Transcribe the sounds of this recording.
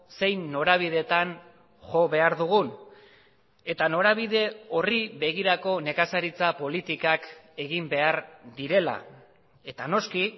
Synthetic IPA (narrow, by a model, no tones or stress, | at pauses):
se̞jnːo̞ɾaβ̞iðe̞t̪an | ʝo̞βe̞aɾðuɣ̞un | e̞t̪ano̞ɾaβ̞ið̞e̞o̞riβe̞ɣ̞iɾako̞ne̞kasaɾit͡sapo̞lit̪ikake̞ɣimbe̞aɾd̪iɾe̞la̰ | e̞t̪ano̞ski